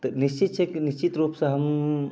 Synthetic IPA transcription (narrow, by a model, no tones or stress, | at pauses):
t̪ɐnist͡ʃit̪̚t͡ʃʰekinist͡ʃit̪ɾuːpsɐ̃ɦɐm